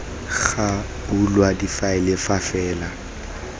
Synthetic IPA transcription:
ɣa | bulwadifaɪlɪfafɛːla

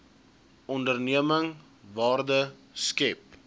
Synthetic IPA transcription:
ɔndərniəməŋ | vɑːrdəskɛp̚

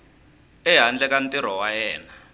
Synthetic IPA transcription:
ɛɦand͡ɮɛkan̩tiɾ̤ɔwajɛːna

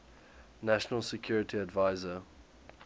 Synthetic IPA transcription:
naʃənəlˠsəkʰj̥uːɹɪtʰiədvaɪzə

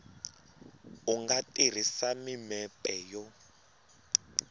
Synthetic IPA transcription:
uŋɡatʼir̤isamimɛpʼɛjɔ

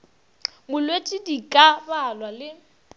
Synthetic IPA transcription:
mʊlwetʼidikʼabalwalɪ

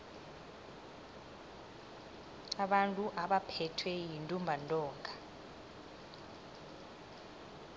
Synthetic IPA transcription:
aɓantʼuʔaɓapʰɛtʰwɛjintʼumbʱantʼɔːŋɡʱa

